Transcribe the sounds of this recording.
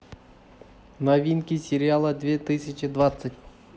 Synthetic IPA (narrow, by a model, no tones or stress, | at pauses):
nɐvʲinkʲɪsʲɪɾʲɪalˠəd̪vʲet̪ɨsʲɪt͡ɕɪd̪vat̪sətʲ